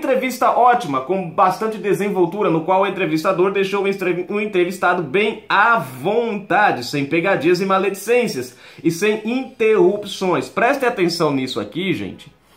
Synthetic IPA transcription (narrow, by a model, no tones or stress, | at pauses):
ẽt̪ɾevist̪ɐʔɔt͡ʃimɐkõw̃bast̪ɐ̃nt͡ʃɪd̪ezẽvowt̪uɾɐnʊkwawʊẽnt̪ɾevist̪ad̪oɾd̪ejʃowũẽnt̪ɾevist̪ad̪ʊbẽj̃avõt̪ad͡ʒɪsẽj̃peɡad͡ʒiɐzɪmaled͡ʒisẽsiɐs | ɪsẽj̃ĩt̪ehupsõj̃spɾɛst̪ɪat̪ẽsɐ̃w̃nisʊa̰kiʒḛ̃nt͡ʃɪ̥